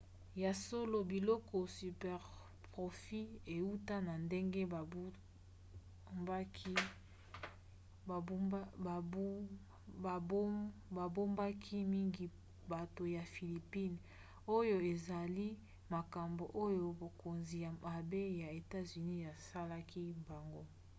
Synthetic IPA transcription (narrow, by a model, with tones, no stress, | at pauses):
ja˨so˦lo˨bi˨lɔ˦kɔ˨sy˨pɛ˨ʁ | pʁo˨fi˦e˨u˦ta˦na˨nde˦ŋɡe˦a˨˦ | mba˦kʰi˦˨˦ | ba˨bo˦mba˦kʰi˦mi˦ŋɡi˨ | ba˨to˨ja˨fi˨li˨pi˦n | o˦jo˦e˨za˨li˦ | ma˨ka˨mbo˨ʔo˦jo˨bo˨ko˨nzi˨ja˨a˨be˦ja˨e˨ta˦zy˨ni˦ja˨sa˦la˦ki˦mba˨ŋɡo˦